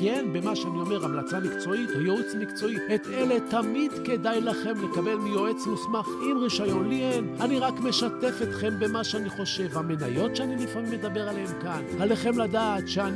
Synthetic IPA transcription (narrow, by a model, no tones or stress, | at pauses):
kenbe̞maʃeanio̞me̞ʁamlat͡samikt͡so̞it̪ojoit͡smikt͡so̞iet̪ele̞t̪amid̪ke̞d̪ajlaχe̞mle̞kabe̞lmijo̞e̞t͡smusmaχʔimʁiʃajo̞nlienaniʁakme̞ʃat̪e̞fet̪χe̞mbe̞maʃeaniχo̞ʃe̞vhame̞najo̞t̪ʃeanilifamimːed̪abe̞ʁaleemkanale̞χe̞mlad̪aːt̪ʃean